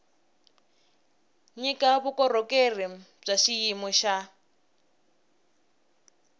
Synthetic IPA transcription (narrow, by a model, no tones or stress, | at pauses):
ɲikʼaβukɔrɔkʼerim | b͡ʐaʃijimɔʃa